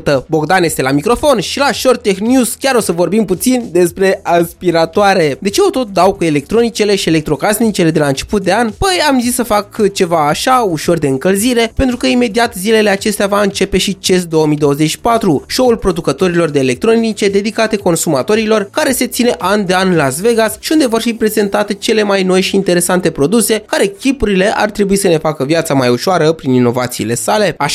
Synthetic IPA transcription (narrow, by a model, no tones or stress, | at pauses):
t̪əbo̞ɡd̪anje̞st̪e̞lamikɾo̞fo̞nʃilaʃo̞rt̪t̪ːexnjuz̥kʲaɾo̞səvo̞rbimput̪sind̪e̞spɾe̞aspiɾat̪oaɾe̞d̪e̞t͡ʃe̞o̞t̪o̞t̪̚d̪awkue̞le̞k̚t̪ɾo̞nit͡ʃe̞le̞ʃiele̞k̚t̪ɾo̞kasnit͡ʃe̞le̞d̪elaɨnt͡ʃe̞̥put̪̚d̪e̞anpəjamzisːəfakt͡ʃe̞vaːʃauʃo̞rd̪e̞ɨŋkəlziɾe̞pent̪ɾukəime̞d̪iat̪zile̞le̞at͡ʃe̞st̪eavaɨnt͡ʃe̞pe̞ʃit͡ʃe̞s̬d̪o̞wəmijd̪o̞wəze̞t͡ʃʃi̥pat̪ɾuʃo̞ulpɾo̞d̪ukət̪o̞ɾilo̞rd̪e̞ːle̞k̚t̪ɾo̞nit͡ʃe̞d̪e̞d̪ikat̪e̞ko̞nsumat̪o̞ɾilo̞rkaɾe̞se̞t̪sine̞ʔand̪e̞anlasve̞ɡasʃiund̪e̞vo̞rfipɾe̞ze̞nt̪at̪e̞t͡ʃe̞le̞majno̞jʃiːnt̪e̞ɾe̞sant̪e̞pɾo̞d̪use̞kaɾe̞kʲipuɾile̞ʔa̰rt̪ɾe̞buisəne̞fakəvjat̪samajuʃoaɾəpɾinino̞vat̪siːle̞sale̞aʃ